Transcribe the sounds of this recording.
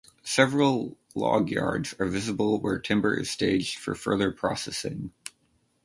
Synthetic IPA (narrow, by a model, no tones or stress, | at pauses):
sɛvɹl̩ˠ | lɔ̰ɡjɑ̰ɹdz̥ə˞vɪzəbəl̩ˠwə̰˞tʰɪ̃mbə̰˞ʔɨ̰z̥steɪd͡ʒd̥fə̰˞fɜ˞ðə˞pʰɹ̥ɑsɛsɪ̰̃ŋ